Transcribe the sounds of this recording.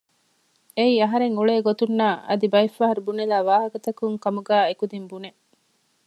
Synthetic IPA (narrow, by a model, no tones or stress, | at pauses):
eiːɐɦɐɾeŋuɭeːɡot̪unːaːɐ̰d̪ibɐifːaːɦɐɾubunelæːʋaːɦɐkɐt̪ɐkuŋkɐmuɡæːekud̪imbune